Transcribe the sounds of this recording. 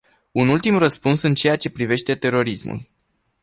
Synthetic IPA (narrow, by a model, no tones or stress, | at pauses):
unult̪imrəspunsɨnt͡ʃe̞jat͡ʃe̞pɾive̞ʃt̪e̞t̪e̞ɾo̞ɾismṵl